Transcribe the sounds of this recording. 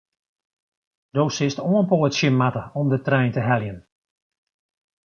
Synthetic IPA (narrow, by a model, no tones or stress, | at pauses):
d̥oːsɪstoənpoːətsjɪmatəɔmdətrɛjntəɦɛljən